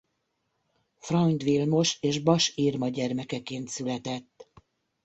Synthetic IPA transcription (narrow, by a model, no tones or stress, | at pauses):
frɒnd̪ʋilmo̞ʃeːʒbɒʃiːrmɒɟɛrmɛkɛkeːnt̪sylɛt̪ɛt̪ː